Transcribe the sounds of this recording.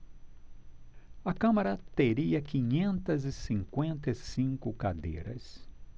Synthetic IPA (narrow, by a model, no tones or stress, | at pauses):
ɐkɐ̃mɐɾɐt̪eɾiɐkĩɲẽnt̪ɐzɪsĩŋkwẽnt̪ɐsĩŋkʊkad̪ḛjɾɐ̰s